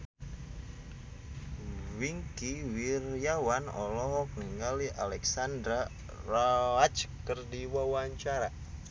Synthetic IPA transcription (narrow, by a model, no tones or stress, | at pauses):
wiŋkiwirjawanɔ̰lɔɦɔk̚niŋaliʔa̰lɛksandɾa | rawat͡ʃkərdiwawaɲt͡ʃaɾa